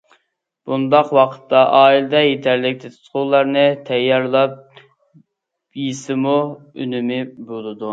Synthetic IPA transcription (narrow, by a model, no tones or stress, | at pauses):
b̥und̪ɑqwɑqʰə̥t̪ːɑʔɑːilɪd̪ɛjet̪ʰæɾlɪk̚ʲt̪ʰet̪ʰɨ̥t̪qʊʁlˠɑɾnɨt̪ʰɛjːɑɾlˠɑp̚ | jisɪmu | y̰nymɪbolˠɨd̪u